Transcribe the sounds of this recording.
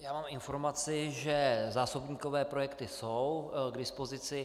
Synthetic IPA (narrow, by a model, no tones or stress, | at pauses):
jaːmaːmɪnfo̞ɾmat͡sɪʒɛzaːsobɲiːko̞vɛːpɾo̞jɛkt̪ɪso̞wɡdɪspo̞zɪt͡sɪ